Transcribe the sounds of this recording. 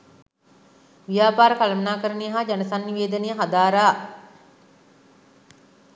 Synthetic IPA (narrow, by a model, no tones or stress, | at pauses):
ʋijaːpaːɾəkalmənaːkəɾənejəɦaːd͡ʒanəsanːiʋeːd̪ənejəɦad̪aːɾaː